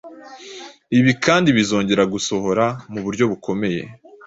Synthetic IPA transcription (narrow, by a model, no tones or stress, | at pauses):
iβikaːndiβizo̞ːɲɟe̞ɾaɡuso̞ɦo̞ɾamuβuɾɟo̞βukʰo̞me̞je̞̰